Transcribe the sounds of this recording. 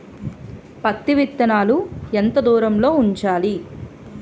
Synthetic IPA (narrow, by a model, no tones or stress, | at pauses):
pɐt̪ːiʋit̪ːɐnaːluent̪ɐd̪uːɾɐmlo̞ːuɲt͡ʃaːli